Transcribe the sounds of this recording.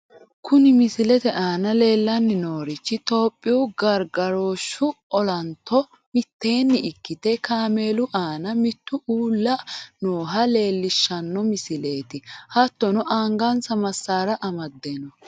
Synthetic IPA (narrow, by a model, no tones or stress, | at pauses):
kʊnɪmɪsɪlɛt̪ɛʔaːnɐle̞ːlːɐnːɪnoːɾɪt͡ʃːɪt̪o̞ːpʼːɪʊɡɐɾɡɐɾoːʃːʊɔlɐnt̪ːɔ | mɪt̪ːe̞ːnːɪɪkːɪt̪ɛkaːme̞ːlʊʔaːnɐmɪt̪ːʊʔuːlːɐnoːɦɐle̞ːlːɪʃːɐnːɔmɪsɪle̞ːt̪ɪhɐt̪ːɔnɔʔaːŋɡɐnsɐmɐsːaːɾɐʔɐmɐd̪ːeːnɔ